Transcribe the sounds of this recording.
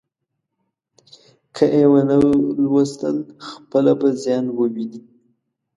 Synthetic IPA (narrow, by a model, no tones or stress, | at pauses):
kʰəʔewənəlwast̪ə̰lxpəlabazjɑnwəwini